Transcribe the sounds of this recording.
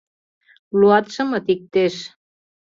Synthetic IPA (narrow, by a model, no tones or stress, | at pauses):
luɑt̪ʃəmət̪ik̚t̪eʃ